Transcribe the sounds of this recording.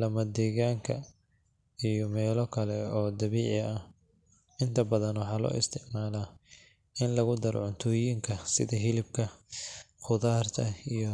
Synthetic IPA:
lɐmɐd̪ɛːɣaːŋkʰɐ | ijɔmɛːlɔkʰɐlɛɔːd̪ɐβiːʕɪɐh | ɪnt̪ʰɐbɐðɐnwɑħɑːlɔ̰ːʔɪst̪ʰɪʕmaːla | ʔɪnlɐɣʊd̪ɐɾɔ̰ʕʊnt̪ʰʊːjiːŋkʰɐsɪ̰ðɐɦɪlɪb̚kʰɐ | qʊðaːrt̪ʰɐijɔ

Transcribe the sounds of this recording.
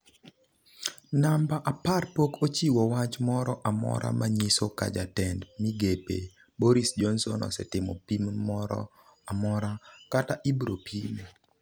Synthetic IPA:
nambaʔaparpokot͡ʃiwɔwat͡ʃmɔɾɔʔamɔ̰ɾa̰maɲisoka̰d͡ʒatɛndmiɡepḛ | bɔɾisd͡ʒɔnsɔnɔ̰sɛ̰tɪmɔ̰pimmɔɾɔ̰ | amɔɾakataʔibɾopime

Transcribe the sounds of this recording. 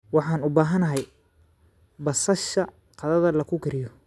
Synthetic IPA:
wɑħɑːnʊbaːɦɐnɐɦɛj | bɐsɐʃɐ | qɑðɐðɐlɐkʰʊkɐɾɪjɔ

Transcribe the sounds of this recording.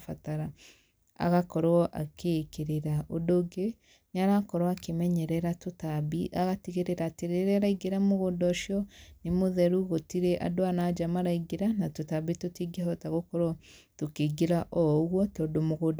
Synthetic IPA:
fataɾa | a̰ɣakɔɾwɔʔa̰kekeɾeɾaʔodoɡe | ɲaɾakɔɾwakemɛɲɛɾɛɾatotabiʔaɣatiɣeɾeɾatiɾeɾɛɾaiɡeɾamoɣoːndɔʃiɔnimoðɛɾuɣotiɾeʔa̰doanaːd͡ʒamaɾaiɡeɾanatotabitotiɡeɔtaɣokɔɾɔ | tokeɡiɾaʔɔɣwɔtɔːdomoɣoːd

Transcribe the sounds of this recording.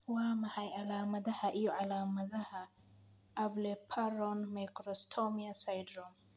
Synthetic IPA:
waːmɐħɑjʕɑlaːmɐðɐhɐʔijɔʕɑlaːmɐðɐhɐ | ʔɐblɛpʰarɔnmɛjkɾɔst̪ʰɔmiɐsɐjd̪ɾɔn

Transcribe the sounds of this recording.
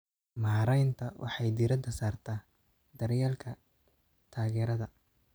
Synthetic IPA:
maːɾɛjnt̪ʰɐwʔɑ̰ħɑjd̪iɾɐd̪ʰɐsaːrt̪ʰaː | d̪ɐrjaːlkʰɐ | t̪ʰaːɣɛːɾɐðɐ

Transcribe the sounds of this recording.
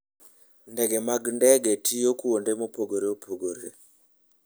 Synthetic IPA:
ndeɡemaɡndeɡʱetʰijokuondemopoɡoɾeopʰoɡoɾe

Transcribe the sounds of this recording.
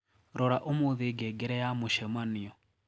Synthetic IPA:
ɾɔɾaʔomoðeɡɛɡɛɾɛjamoʃɛmaniɔ

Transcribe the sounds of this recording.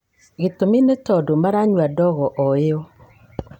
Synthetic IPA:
ɣetominetɔdomaɾaɲwadɔɣɔʔɔeɔ

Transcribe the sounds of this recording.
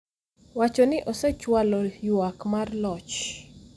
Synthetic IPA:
wat͡ʃɔnɪʔosɛt͡ʃwalɔjwakmarlɔt͡ʃ

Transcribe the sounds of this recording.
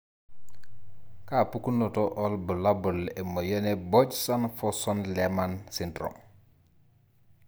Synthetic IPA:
kaːpukunːotoʔolbulabuleməjəneboɟsanfosɔnlemansintɾo̰m

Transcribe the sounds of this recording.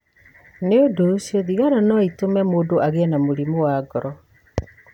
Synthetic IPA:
neodosjɔðiɣaɾanɔitomɛmoːdoʔaɣeɛnamoɾimowaɡɔɾɔ

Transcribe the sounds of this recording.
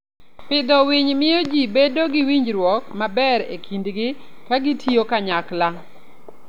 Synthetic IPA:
pɪd̪ɔwiɲmɪjɔd͡ʒibedoɡɪwiɲd͡ʒɾwɔkmabɛɾḛkʰindɡɪkaɡɪtʰiokaɲakla

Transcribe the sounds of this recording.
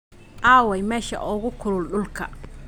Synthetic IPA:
ʔaːwɛjmɛːʃɐ̰ʔɔːɣʊkʰʊlʊlɗʊlkʰɐ̰

